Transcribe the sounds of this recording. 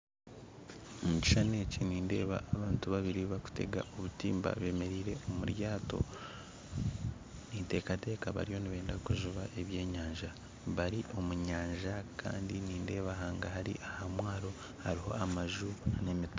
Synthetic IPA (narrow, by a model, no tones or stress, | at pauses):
omuci̥ʃane̞ciniːnde̞̰ːβa̰ʔːβaːntuβaβiɾiβaku̥te̞̰ɡa̰ʔoβutiːmba̰βe̞ːme̞ɾiːɾe̞omṵɾjaːto̞̰ | niːnte̞ːkate̞ːkaβa̰ɾijo̞niβe̞ːndakuʒuβaʔe̞βje̞ːɲaːɲʒa | βaɾiʔo̞muɲaːɲʒakʰa̰ːndiniːnde̞ːβaɦaːŋɡaɦaɾḭʔahamwaːɾo̞ | haɾiɦo̞̰ʔamaʒunemit